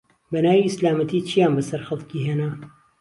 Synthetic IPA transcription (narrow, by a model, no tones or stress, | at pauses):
bɐnaːwiɪslaːmɐt̪ʰiːt͡ʃʰijaːnbɐsɐɾxɐlˠkiɦeːna